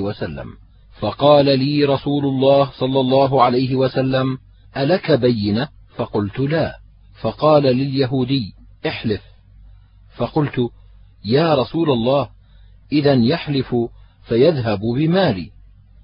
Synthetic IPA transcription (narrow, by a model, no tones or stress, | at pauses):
wasalːa̰m | fɑqɑːlaliːɾˤɑsuːlʊlˤːɑːhsˤɑlːɑlˤːɑːɦʊʕalajɦɪwasalːam | ʔalakabajːɪna | fɑqʊlt̪ʊlaː | fɑqɑːlalɪljaɦuːd̪ɪjː | ʔɪħlɪf | fɑqʊlt̪ʊ | jaːɾˤɑsuːlalˤːɑːh | ʔɪðanjaħlɪfʊ | fajaðɦabbɪmaːlḭː